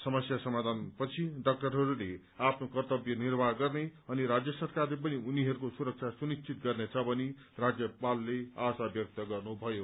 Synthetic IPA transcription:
sʌmʌsjasʌmad̪ʱanpʌt͡sʰiɖʌk̚ʈʌrɦʌɾule | apʰnokʌrt̪ʌbjʌnirbʱaɡʌrneʌniɾad͡zjʌsʌrkarlep̬ʌniuniɦʌɾukosuɾʌk̚t͡sʰasunist͡sʰit̪ɡʌrnet͡sʰʌbʌni | rad͡zjʌpalːeasabjʌk̚t̪ʌɡʌrnubʱʌjo

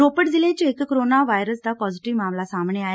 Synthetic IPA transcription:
ɾopəʈd͡zilẽt͡ɕeekkːɾonaʋajɾəsd̪apɔd͡ziʈiʋmamlasãmbɳeaɦe

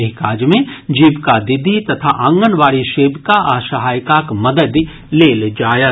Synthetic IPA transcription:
ɪkaːd͡ʒmẽd͡ʒiːbkad̪ɪd̪ʱit̪ɐt̪ʰaʔãŋɡənʋaːɽiʃeːbkaʔaʃɐɦaːjkakmɐd̪əd̪ | leːld͡ʒaːja

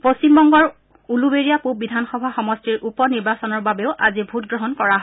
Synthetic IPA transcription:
post͡ʃimbɔŋɡɔɹ | ulubeɹijapubidʱanxɔbʱaxɔmɔstiɹʔupɔniɹbasɔnɔɹbabeʊʔazibʱut̚ɡɹɔɦɔnkɔɹaɦ

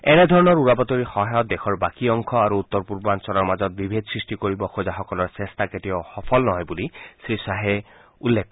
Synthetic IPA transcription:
ɛnɛd̪ʱɔɹɔnɔɹuɹapɔtɔɹixɔɦajɔt̚dexʰɔɹbakiɔŋkʰɔaɹuut̪ːɔɹpuɹbɔansɔlɔɹmazɔt̚bibʱed̪sɹistikoɹibɔxozaxɔkɔlɔɹsɛstaketijɔxɔpʰɔlnɔɦɔjbulisɹisaɦɛ | ulːek̚

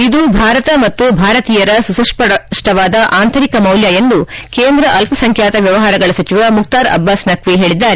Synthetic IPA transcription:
id̪ubʱaːɾɐt̪ɐmɐt̪ːubʱaːɾɐt̪iːjɐɾɐsusɐʂɐʂʈɐʋaːd̪ɐʔaːnt̪ɐɾikɐmɐwljaje̞nd̪ukeːnd̪ɾɐʔɐlpʰɐsɐŋkʰjaːt̪ɐʋjɐʋɐɦaːɾɐɡɐɭɐsɐt͡ʃiʋɐmuk̚t̪aːɾɐ̰bːaːsnɐkʋiɦe̞ːɭid̪ːaːɾe

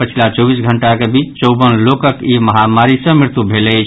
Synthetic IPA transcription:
pət͡ʃʰilat͡ʃɔbisɡʱəɳʈakebit͡ʃt͡ʃɔwbənlokəkiməɦamaɾisə̃mɾɪɾt̪ubʱelɛt͡ʃʰ

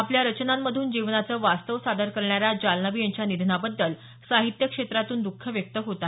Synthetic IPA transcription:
apljaɾət͡ɕnamːəd̪ʱuːnd͡ʑiʋnat͡səːʋast̪əʋsad̪əɾkəɾɳjaɾjad͡ʑalnəʋiːjaɲt͡ɕjanid̪ʱnabəd̪ːəl | saɦit̪jəkʂet̪ɾat̪uːnd̪ukʰːəʋjək̚t̪əɦot̪a

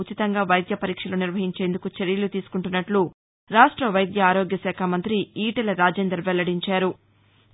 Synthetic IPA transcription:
ut͡ʃit̪ɐŋɡaːʋɐjd̪jɐpɐɾiːkʂɐloːniɾʋɐɦiɲt͡ʃe̞ːnd̪ukut͡ʃeɾjɐlut̪iːsu̥kuɳʈunːɐʈlu | ɾaːʂʈɾɐʋɐjd̪jɐaːɾoːɡjɐsɛːkʰamɐnt̪ɾiiːʈɐlɐɾaːd͡ʒeːnd̪ɾɐɾʋɛlːɐɽiɲt͡ʃaːɾu

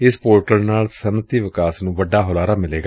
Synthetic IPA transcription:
ɪspoːɾʈəlnaːlsənət̪iːʋɪkaːsnũːʋəɖːaːɦʊlaːɾaːmɪleːɡaː

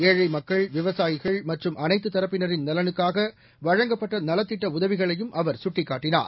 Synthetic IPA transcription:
eːɻɐɪmɐkːɐɭʋɪʋɐsaːjɪɣɐɭmɐʈrɯmʔɐnɐɪt̪ːɯt̪ːɐɾɐpːɪnɐɾɪnnɐlɐnɯkːaːɣɐ | ʋɐɻɐŋɡɐpːɐʈːɐnɐlɐt̪ːɪʈːɐʊðɐʋɪɣɐɭɐjɯmʔɐʋɐɾsʊʈːɪkːaːʈːɪna̰ːɾ

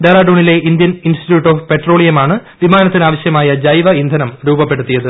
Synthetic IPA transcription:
d̪ɐɾaːɖoːɳile̞ind̪jɐninsʈiʈjuːʈːoːfpe̞ʈro̞ːɭijɐmaːɳɨʋimaːnɐt̪ːinaːʋɐɕjɐmaːjɐd͡ʑɐjʋɐind̪ʱɐnɐmɾuːbɐpːe̞ɽut̪ːijɐðɨ

